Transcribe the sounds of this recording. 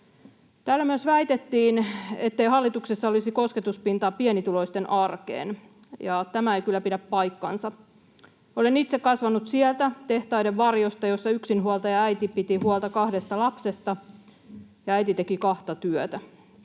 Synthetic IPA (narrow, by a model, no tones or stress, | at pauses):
t̪æːlːæmyøsʋæit̪et̪ːiːnet̪ːeihɑlːit̪uksesːɑolisiko̞sket̪uspint̪ɑːpienit̪ulo̞ist̪enʔɑrkḛːn | jɑt̪æmæeikylːæpidæppɑjkːɑ̰nsɑ | olenit̪sekkɑsʋɑnut̪siɛlt̪æt̪eht̪ɑideʋʋɑrjost̪ɑjo̞sːɑyksinɦuolt̪ɑjɑæit̪ipit̪ihuolt̪ɑkɑhdest̪ɑlɑpsest̪ɑ | jɑæit̪it̪ekikɑht̪ɑt̪yøt̪æ